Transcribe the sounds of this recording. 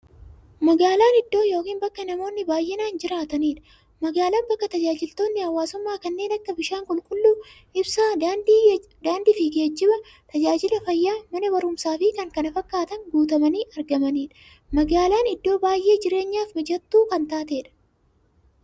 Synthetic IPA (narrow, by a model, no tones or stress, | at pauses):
mɐɡaːlaːnɪd̪ːo̞ːjo̞ːkiːnbɐkːɐnɐmo̞ːnːɪbaːjʔenaːnd͡ʒɪɾaːt̪ɐniːᶑɐ̥ | mɐɡaːlaːmbɐkːɐt̪ɐd͡ʒaːd͡ʒɪlt̪o̞ːnːɪhɐwːaːsʊmːaːkɐnːe̞ːnɐkːɐbɪʃaːŋkʼʊlkʼʊlːuː | ʔɪbsaː | d̪aːnd̪ɪfɪɡe̞ːd͡ʒːɪbɐ | t̪ɐd͡ʒaːd͡ʒɪlɐfɐjːaːmɐnɐbɐɾʊmsaːfɪkɐŋkɐnɐfɐkːaːt̪ɐŋɡuːt̪ɐmɐniːʔɐɾɡɐmɐniːᶑɐ̥ | mɐɡaːlaːnɪd̪ːo̞ːbaːjʔːe̞ːd͡ʒɪɾe̞ːɲːaːfmɐd͡ʒɐt̪ːuːkɐnt̪aːt̪eːᶑɐ̥